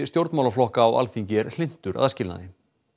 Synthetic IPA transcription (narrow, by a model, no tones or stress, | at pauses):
st̪jowɾt̪nmawlaflɔhkaːwa̰lθiɲcɪɾl̥ɪn̥t̪ʏɾʔa̰ðascɪlna̰ðɪ